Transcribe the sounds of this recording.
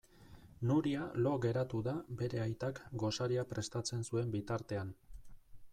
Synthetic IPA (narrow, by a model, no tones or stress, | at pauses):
nuɾialo̞ɣe̞ɾat̪uðabe̞ɾe̞ajt̪akɡo̞saɾiapɾe̞st̪at͡se̞nsue̞mbit̪aɾt̪e̞an